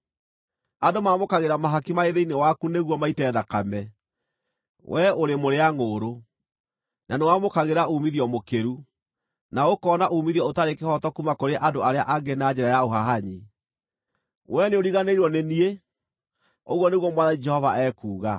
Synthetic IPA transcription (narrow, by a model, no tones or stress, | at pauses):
andomamokaɣeɾamaɦakimaeðeinewakuneɣwɔmaitɛːðakamɛ | wʔɛoɾemoɾeaŋoːɾo | nanewamokaɣeɾauːmiðiɔmokeɾu | naokɔːnaʔuːmiðiɔotaɾekehɔtɔkumakoɾeʔandoaɾea̰ʔaɡenad͡ʑɛɾajaoɦaɦaɲi | wʔɛneoɾiɣaneiɾwɔnenie | oɣwɔneɣwɔmwaðanid͡ʒɛhɔvaɛkuːɣa